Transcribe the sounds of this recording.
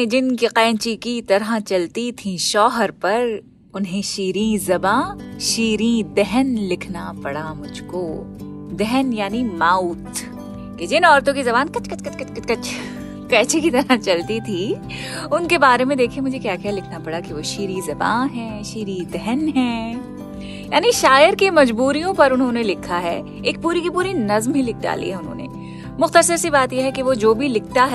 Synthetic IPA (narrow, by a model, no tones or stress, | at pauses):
d͡ʒɪnkiqɛːnt͡ʃikit̪ɐɾat͡ʃɐlt̪it̪ʰĩʃɔːɦəɾpɐɾ | ʊnɦẽʃiːɾĩzɐbãːʃiːɾĩd̪ɛɦənlɪkʰnapɐɽamʊd͡ʒʱkoː | d̪ɛɦənjaːnimaːut̪ | ked͡ʒɪnɔːɾt̪õkizɐbaːnkɐt͡ʃkɐt͡ʃkɐt͡ʃkɐt͡ʃkɐt͡ʃkɐt͡ʃʰ | kɛːt͡ʃekit̪ɐɾat͡ʃɐlt̪it̪ʰi | ʊnkebaːɾemẽd̪eːkʰimʊd͡ʒʱekjaːkɛlɪkʰnapɐɽakiʋoʃiːɾizɐba̰ːnɦɛ̃ːʃiːɾid̪ɛɦɛnɦɛ̃ː | jaːniʃaːjəɾkemɐd͡ʒbuːɾijõpɐɾʊnɦõnelɪkʰːaɦɛ̰ | eːk̚puːɾikipuːɾinɐzmɦilɪk̚ʰda̰ːlḭɦɛʊnɦõ̰nḛ | mʊxt̪əsəɾsibaːt̪jeɦɛkiʋod͡ʒoːbʱilɪk̚ʰt̪aɦɛ